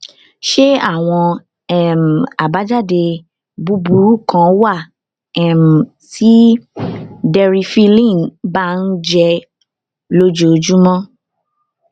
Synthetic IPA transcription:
ʃe˦a˦˨w̃ɔ̃˧ | ɛ˨m˨a˨ba˨˦d͡ʒa˦˨de˧ | bu˨˦bu˨˦ɾu˦˨kã˧wa˦˨ | ɛ˨m˨ | ti˦ | dɛ˧ɾi˧fi˦lĩ˦˨ba˦n̩˦d͡ʒɛ˧ | lo˦d͡ʒo˧˨d͡ʒu˦mɔ̃˦

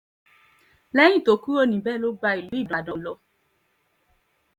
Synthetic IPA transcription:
lɛ˦j̃ĩ˦˨to˨˦ku˦o˦nĩ˨bɛ˦lo˦ɡ͡ba˧i˨lu˨˦i˦˨dã˨dɔ̃˨lɔ˧

